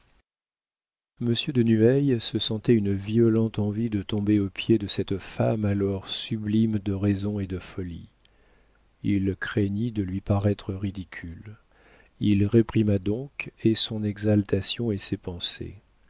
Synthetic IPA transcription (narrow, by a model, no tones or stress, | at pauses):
məsjød̪ənyɛjsəsɑ̃t̪ɛynviɔlɑ̃t̪ɑ̃vid̪ət̪ɔ̃beopjed̪əsɛt̪famalɔʁsyblimd̪əʁezɔ̃ed̪əfɔlḭ | ilkχeɲid̪əlɥipaʁɛt̪χəʁid̪ikʲʰyl | ilʁepχimad̪ɔ̃kesɔ̃nɛɡzalt̪asjɔ̃esepɑ̃sḛ